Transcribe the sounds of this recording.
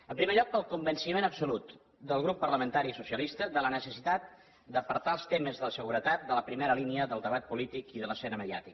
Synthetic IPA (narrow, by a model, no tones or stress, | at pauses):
əmpɾimeʎɔk̚pəlˠkumbənsimenəbsulut̪ | d̪əlˠɣɾupːərləmə̃nt̪aɾiːsusiəlist̪əðələnəsəsit̪at̪̚ | d̪əpəɾt̪aəlˠst̪eməzðələsəɣuɾət̪at̪̚d̪ələpɾimeɾəliniəðəlˠd̪əβat̪̚pulit̪ikiðələsɛnəməðia̰t̪ik